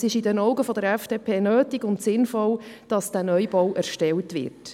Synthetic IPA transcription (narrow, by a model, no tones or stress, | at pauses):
sɪʃɪdɛnɔʊɡəfɔdəɾɛfd̥eːpʰeːnøːtiɡʊntsɪnfɔld̥ɑsd̥æːnœjbɔwʔɛɾʃtɛltʋɪ̰ɾt